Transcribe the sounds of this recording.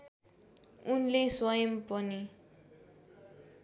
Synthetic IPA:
unleswʌjʌmpʌni

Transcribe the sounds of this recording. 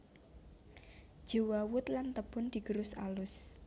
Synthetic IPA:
d̥d͡ʒ̥owawʊt̪lant̪əb̥ʊ̤nd̪̥i̤ɡ̥əɾʊsa̰lʊs

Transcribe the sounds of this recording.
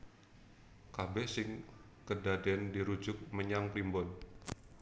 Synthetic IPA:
kabɛsɪŋ | kədadɛndiɾud͡ʒʊk̚məɲaŋplimbɔn

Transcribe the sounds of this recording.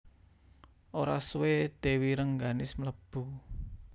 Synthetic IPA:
ʔoɾaswed̪̥e̤wiɾəŋɡanɪsmələb̥ṳ

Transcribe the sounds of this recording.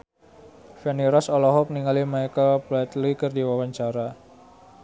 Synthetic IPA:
fɛniɾɔsɔlɔɦɔk̚niŋalimajkəlplɛt̪likərdiwawaɲt͡ʃaɾa

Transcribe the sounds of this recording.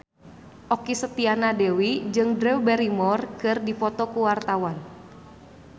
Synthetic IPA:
ʔɔkisət̪ianadɛwid͡ʒɨŋdɾɛwbɛɾimɔrkɨrdifɔt̪ɔkuwart̪awan

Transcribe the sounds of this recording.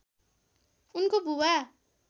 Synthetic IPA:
unkobʱuwa

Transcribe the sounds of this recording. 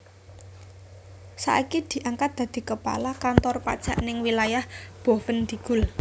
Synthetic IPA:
sa̰ʔikid̪̥i̤ʔaŋkat̪̚d̪̥ä̤d̪̥i̤kəpa̰lakant̪ɔrpa̰d̥ʒ̥a̤ʔnɪŋwilajahb̥o̤fənd̪̥i̤ɡ̥ʊ̤l

